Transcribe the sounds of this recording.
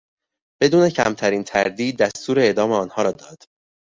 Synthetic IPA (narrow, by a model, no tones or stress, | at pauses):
b̥e̞d̪uːne̞cʰæ̰mt̪ʰæɾiːnt̪ʰæɾd̪iːd̪̚ːæst̪ʰuːɾeeːd̪ɒːme̞ɒːnhɒːɾɒːd̪ɒːd̪̥